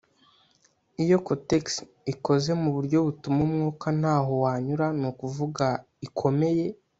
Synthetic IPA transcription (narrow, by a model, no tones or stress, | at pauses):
ijo̞koteks | iko̞ze̞muβuɾɟo̞βutumumŋuːkan̥haːɦo̞waːɲuɾanukuvuɡa | ikʰo̞me̞je̞